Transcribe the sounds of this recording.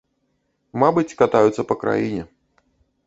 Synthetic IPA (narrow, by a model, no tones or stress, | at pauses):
mabɨt͡sʲkat̪ajut̪sːəpɐkɾa̰jinʲɛ